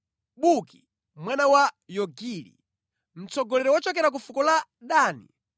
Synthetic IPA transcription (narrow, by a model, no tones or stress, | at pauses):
ɓuki̥ | mwanawajɔɡilḭ | m̩t͡sɔɡɔlɛɾɔwɔt͡ʃɔk̬ɛɾak̬ufukɔlaɗaːnḭ